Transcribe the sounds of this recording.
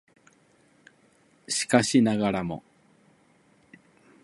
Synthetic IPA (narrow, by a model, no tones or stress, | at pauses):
ɕi̥kaɕinaɣaɾamo̞̰